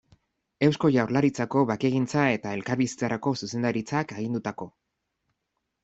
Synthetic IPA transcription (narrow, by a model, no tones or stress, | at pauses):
e̞wsko̞ʝawɾlaɾit͡sako̞βake̞ɣint͡sae̞t̪ae̞lkaɾβisi̥t͡saɾako̞suse̞nd̪aɾit͡sakeɣind̪ut̪ako̞